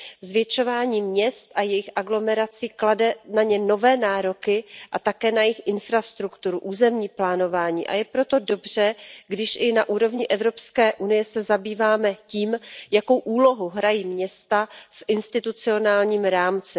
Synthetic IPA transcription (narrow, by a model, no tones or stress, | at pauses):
zvjɛt͡ʃo̞vaːɲiːmɲɛst̪ʔajɛjɪxʔaɡlo̞mɛɾat͡siːkladɛnaɲɛno̞vɛːnaːɾo̞kɪʔat̪akɛːnajɪxʔɪnfɾast̪ɾukt̪uɾuʔuːzɛmɲiːplaːno̞vaːɲḭːʔa̰jɛpɾo̞t̪o̞do̞br̝̥ɛɡdɪʃʔɪnaʔuːɾo̞vɲɪʔɛvɾo̞pskɛːʔunɪjɛsɛzabiːvaːmɛciːmjako̞wʔuːlo̞ɦoɦɾajiːmɲɛst̪afʔɪnst̪ɪt̪ut͡sɪo̞naːlɲiːmɾaːmt͡sɪ